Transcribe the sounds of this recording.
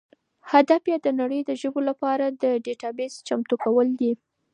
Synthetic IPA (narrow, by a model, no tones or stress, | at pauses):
had̪afjɑd̪ənaɽəjd̪əʒəbolapɑɾad̪əɖeʈɑbest͡ʃamt̪ukawəld̪i